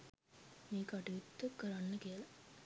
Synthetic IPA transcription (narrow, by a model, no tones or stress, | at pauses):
miːkaʈijut̪ːəkːəɾanːəkiəlɐ